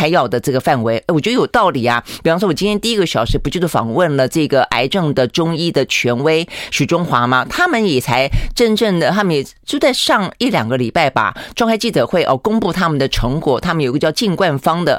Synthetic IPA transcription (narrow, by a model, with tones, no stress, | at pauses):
a˧˥ɪjɑ˥˨˩ʊd̪ə˩ʈ͡ʂɤ˥˩ɡə˩fa˥˩nwe˧˥ɪʔwɔ˨˩t͡ɕjo˥˩jo˨˩ʊt̪ɑ˥˩ʊli˨˩ɐ˦pi˨˩fɑ˥ʂwɔ˥wɔ˨˩t͡ɕi˥nt̪ʰjɛ˥nt̪i˥˧i˥ɡə˧˩ɕjɑ˨˩ʊʂɻ̩˧˥pu˧˥t͡ɕjo˥˧ʊʂfɑ̰˨˩ŋwə˥˩nlə˩ʈ͡ʂɤ˥˩ɡə˩ʔa̰˧˥ɪʈ͡ʂɤ˥˩ŋd̪ə˩ʈ͡ʂʊ˥ŋi˥d̪ə˨t͡ɕʰɥɛ˧˥nwe˥ɪɕy˨˩ʈ͡ʂʊ˥ŋxwa˧˥ma˨t̪ʰa˥mə˨njɛ˨˩t͡sʰa˧˥ɪʈ͡ʂə˥˧nʈ͡ʂə˥˩ŋd̪ə˩t̪ʰa˥mə˨njɛ˨˩ | t͡ɕjo˥˧ʊt͡sa˥˧ɪʂɑ˥˧ŋi˥˩ljɑ̰˨˩ŋɡə˦li˨˩pa˥˩ɪba̰˨˩ʈ͡ʂwɑ˥˧ŋxʰt͡ɕi˥˩ʈ͡ʂɤ˨˩xwe˥˩ɪʔɔ˥˩kʊ˥ŋpu˥˩t̪ʰa˥mə˨nd̪ə˩ʈ͡ʂʰɤ˧˥ŋkwɔ˨˩t̪ʰa˥mə˨njo˨˩i˧˥ə˧˥jɑ˥˧t͡ɕi˥˧ŋkwa˥˩nfɑ˥ŋd̪ə˨